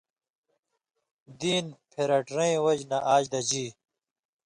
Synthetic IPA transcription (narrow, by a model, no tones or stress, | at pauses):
d̪iːnpʰeɾɐʈɾẽĩwɐd͡ʑnɐʔaːd͡ʑd̪ɐd͡ʑiː